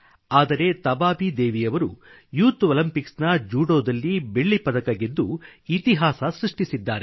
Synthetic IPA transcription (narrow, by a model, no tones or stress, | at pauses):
aːd̪ɐɾe̞t̪ɐbaːbid̪eːʋijɐʋɐɾṵ | juːt̪olɐmpiksnɐd͡ʒuːɽoːd̪ɐlːibe̞ɭːipɐd̪ɐkɐɡend̪d̪uit̪iɦaːsɐsɾuʂʈisid̪ːaːɾe